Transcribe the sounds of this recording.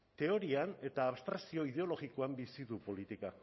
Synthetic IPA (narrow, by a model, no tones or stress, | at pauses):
t̪e̞o̞ɾiane̞t̪aːβst̪ɾasio̞ið̞e̞o̞lo̞ɣiko̞ambisiðupo̞lit̪ika